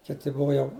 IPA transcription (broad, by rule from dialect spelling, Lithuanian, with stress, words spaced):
ˈkʲɪtʲɪ ˈbʊʋoː jɛʊ